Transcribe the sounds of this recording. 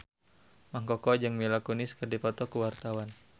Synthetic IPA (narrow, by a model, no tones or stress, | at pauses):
maŋkɔkɔd͡ʒɨŋmilakunɪskərdipɔt̪ɔkuwart̪awan